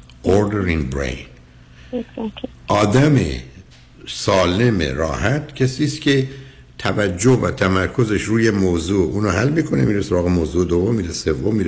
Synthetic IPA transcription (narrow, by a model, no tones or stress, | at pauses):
ʔoɾd̪eɾiŋbɾḛjn | ʔɒːd̪æmḛ | sɒːle̞mḛɾɒːhæt̪cʰesiːst̪cʰe̞ | t̪ʰævæd͡ʒːovæt̪ʰæmæɾkʰo̞ze̞ʃɾuːjemoːzuːuːnɔɦælːmiːkʰo̞nemiːɾesoɾɑːɣemoːzuːed̪ovːo̞mːiːd̪ese̞vːo̞mːiːɾe